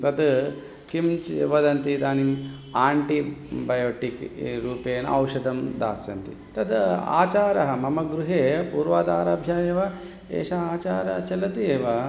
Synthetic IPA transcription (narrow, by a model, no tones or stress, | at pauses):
t̪ɐd̪ | kimt͡ʃḛʋɐd̪ɐnt̪id̪aːnim | aːɳʈibɐjoːʈikɾuːpeːnɐ̰wʂɐd̪ɐmd̪a̰ːsjɐnt̪ḭ | t̪ɐd̪a̰ːt͡ʃaːɾɐɦɐmɐmɐɡɾuɦeːpuːɾʋaːd̪a̰ːɾɐːbʱjaːjeːʋɐ | ḛːʃɐaːt͡ʃaːɾɐɦɐt͡ʃɐlɐt̪ieːʋɐ